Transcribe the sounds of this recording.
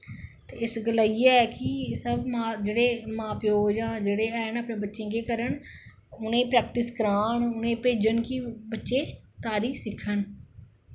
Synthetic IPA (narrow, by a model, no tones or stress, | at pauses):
t̪eːɪsɡəlaːiaːɛːkɪsəbmãːd͡ʒeːɽeːmãːpjoːd͡ʒãːd͡ʒeːɽeːɛːnəpɳẽːbətːʃẽːɡeːkəɾəɳ | ʊnẽːpɾɛːk̚ʈɪskəɾaːɳʊnẽːpeːd͡ʒənkibətːʃeːt̪aːɾiːsɪkʰːən